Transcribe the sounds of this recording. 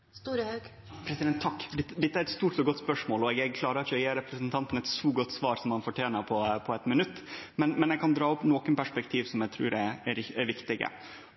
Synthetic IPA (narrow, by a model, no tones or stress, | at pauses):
st̪uːɾəhœɡ | pʰɾɛsɪd̪ɛnt̪ʰːɑkːd̪ɛt̪ːd̪ɛt̪ːəæɾɛt̪st̪uːʈɔɡɔt̪ːspœʂmoːlɔɛɡɛɡkʰlɑːɾəɾɪçəjeːɾɛpɾəsənt̪ʰɑnt̪n̩ɛt̪sɔːɡɔt̪ːsʋɑːɾsɔmhɑnfɔʈʰjeːnəɾpʰɔpʰɔɛt̪mɪnʉt̪ːmɛnmɛnɛɡkɑnd̪ɾɑːʊpnoːkənpæʂpɛkt̪ʰiːʋsɔmjɛɡt̪ʰɾʉ̰ːɾɛɛɾɪɛɾʋɪkt̪ɪɡə̰